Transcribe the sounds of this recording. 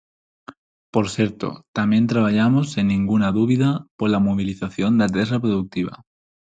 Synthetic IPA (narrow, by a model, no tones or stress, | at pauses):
po̞ɾθje̞ɾt̪o̰t̪amjẽ̞nt̪ɾaβ̞aʎamo̞sinːĩŋɡunaðuβiðapo̞ɾlamoβ̞iliθaθjo̞nd̪at̪̬esapɾoðuk̚t̪iβa̰